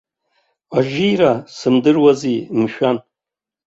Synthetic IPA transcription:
aʒijrasɨmdɨrwazimʃᶣan

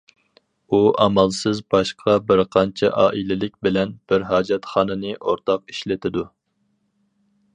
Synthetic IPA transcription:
uʔɑmɑlˠsɨzbɑʃqʰɑbɪɾqʰɑnt͡ʃʰɛ̰ʔɑːʔilɪlɪk̚ʲbɪlɛnb̥ɪɾɦɑːd͡ʒɛt̪χɑːnɨnɨʔoɾt̪ʰɑq̚i̥ʃlɪt̪ʰɪd̪u

